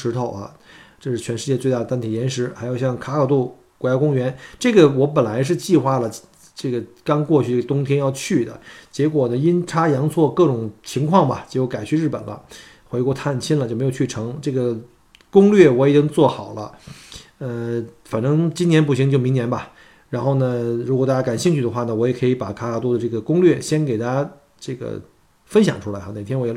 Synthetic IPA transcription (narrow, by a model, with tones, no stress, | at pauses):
ʂɻ̩˧˥t̪ʰo˥˩ʊɐ̰˩ʈ͡ʂɤ˥˧ʂɻ̩˥˩t͡ɕʰɥɛ˧˥nʂɻ̩˥˧t͡ɕjɛ˥˧t͡swe˥˧ɪt̪a˥˩d̪ət̪a˥nt̪ʰi˨˩jɛ˧˥nʂɻ̩˧˥xa˧˥jo˨˩ʊɕjɑ˥˩ŋkʰa˥kʰɑ˥˩ʊt̪u˥˩ | kwɔ˧˥˩ja˥kʊ˥ŋɥɛ˧˥nʈ͡ʂɤ˥˩ɡə˩wɔ˧˥p̬ə˨˩nla˧˥ɪʂ̬ɻ̩˥˧t͡ɕi˥˧xwa˥˩lə˨ | ʈ͡ʂɤ˥˩ɡə˩kɑ˥ŋkwɔ˥˧t͡ɕʰy˥˩ʈ͡ʂə˩t̪ʊ˥ŋt̪ʰjɛ˥njɑ˥˧ʊt͡ɕʰy˥˩d̪ə̰˩t͡ɕjɛ˧˥kwɔ˨˩nə˦i˥nʈ͡ʂʰa˥jɑ˧˥ŋt͡sʰwɔ˥˧kɤ˥˩ʈ͡ʂʊ˨˩ŋt͡ɕʰi˧˥ŋkʰwɑ˥˩ŋbɐ˨˩t͡ɕjo˥˩ʊka˨˩ɪt͡ɕʰy˥˧ɻ̩˥˩pə̰˨˩nlə̰˦ | xwe˧˥kwɔ˥˧t̪ʰa˥˩nt͡ɕʰi˥nlə˨t͡ɕo˥˩m˧˥jt͡ɕʰy˥˩ʈ͡ʂʰɤ˧˥ŋʈ͡ʂɤ˥˩ɡə˩ | kʊ˥ŋlɥɛ˥˩wɔ˧˥jɛ˨˩t͡ɕi˥ŋt͡swɔ˥˩xɑ˨˩ʊlə̰˦ | ə˧fa˨˩nʈ͡ʂɤ˥ŋt͡ɕi˥njɛ˧˥np̬u˥˩ɕi˧˥ŋt͡ɕjo˥˩ʊmi˧˥ŋnjɛ˧˥nbɐ˨ | ɻa˧˥nxo˥˩ʊnə˩ɻu˧˥kɔ˨˩a˥˩t͡ɕja˥ka˨˩nɕi˥˧ŋt͡ɕʰy˥˩d̪ə˩xwa˥˩nə˩wɔ˧˥jɛ˨˩kʰɤ˧˥i˧˥pa̰˨˩kʰa˥ka˧˥t̪wɔ˥d̪ə˨˧ʈ͡ʂɤ˥˩ɡə˩kʊ˥ŋlɥɛ˥˩ɕjɛ˥nke˨˩ɪt̪ʰa˥ja˥ | ʈ͡ʂɤ˥˩ɡə̰˩ | fə˥nɕjɑ˨˩ŋʈ͡ʂʰu˥la˧˥ɪxa˧˩ne˨˩ɪjɛ˥nwɔ˧˥ɛ˧˩˥